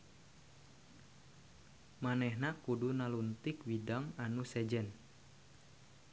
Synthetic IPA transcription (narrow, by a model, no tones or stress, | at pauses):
manɛhnakudunalunt̪ikwidaŋanusɛd͡ʒɛn